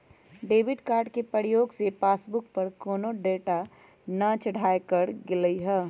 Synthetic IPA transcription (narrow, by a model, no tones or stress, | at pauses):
ɖeːbɪɖkaːɾɖkepɾəɾjoːɡsepaːsbʊk̚pɐɾkoːnoɖeːʈa | nət͡ʃɐɽ̤ʱaːekəɾɡɪləiɦɛː